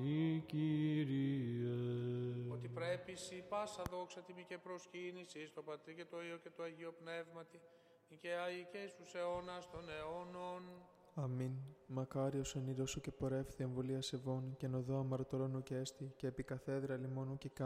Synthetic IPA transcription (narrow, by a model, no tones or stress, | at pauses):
iciɾie | ot̪ipɾepisipɐsɐðo̞ksɐt̪imicepɾoscinisist̪o̞pɐt̪ɾice̞t̪oiocet̪oɐʝio̞pne̞vmɐt̪i | ceɐʝicest̪useonɐst̪o̞neonon | ɐminmɐkɐɾioseniɾosoce̞po̞ɾe̞fθie̞ɱvoliɐse̞vo̞ncenoðoɐmɐɾot̪oɾo̞nuceest̪ice̞ːpikɐθe̞ðɾɐlimo̞nucekɐ